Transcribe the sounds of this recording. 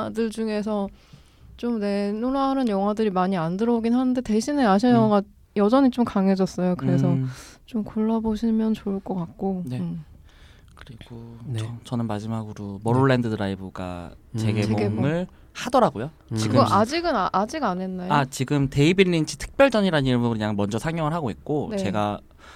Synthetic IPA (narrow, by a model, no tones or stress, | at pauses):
dɯɭd͡ʑuŋe̞s̬ʰʌ | t͡ɕomne̞nuɾaɦanɯnjʌŋwadɯɾimaɲiandɯɾʌoɡinɦanɯndete̞ɕʰineaɕ̬ʰijʌŋaɡa | jʌd͡ʑʌɲit͡ɕomkaŋe̞d͡ʑʌs͈ʌjokɯɾe̞sʰʌt͡ɕomkuɭːaboɕʰimjʌnt͡ɕoɯɭk͈ʌk͈ak̚k͈oneɯ | kɯɾiɡ̥oʌt͡ɕʌnɯnmad͡ʑimaɡɯɾomʌɾoɭːendɯdɯɾaibɯɡa̰t͡ɕe̞ɡemoɯɭ | hadʌɾaɡojo | iɡɯad͡ʑiɡɯnaʔad͡ʑiɡane̞nːajoat͡ɕiɡɯmte̞ibiɭːint͡ɕʰitʰɯ̥k̚p͈jʌɭt͡ɕ͈ʌɲiɾanɯniɭmɡɯɲaŋmʌnd͡ʑʌsʰaŋjʌŋɯɭɦaɡoet̚k͈ot͡ɕe̞ɡa